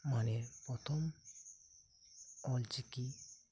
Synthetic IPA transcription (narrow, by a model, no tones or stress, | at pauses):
manepɾɔt̪ʰɔm | ɔlt͡ʃiki